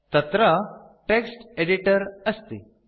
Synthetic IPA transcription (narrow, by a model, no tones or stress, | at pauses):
t̪ət̪ɾə | ʈeksʈeɖiʈəɾəst̪ḛ